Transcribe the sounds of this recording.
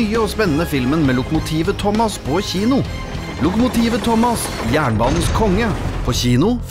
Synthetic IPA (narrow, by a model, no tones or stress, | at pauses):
yːəoːspɛnːənəfɪlmənmeːlʊkʊmʊt̪ʰiːʋət̪ʰɔmɑspʰɔçiːnʊ | lʊkʊmʊt̪ʰiːʋət̪ʰɔmɑs | jæːɳbɑːnn̩skʰɔŋːəpʰɔçiːnʊ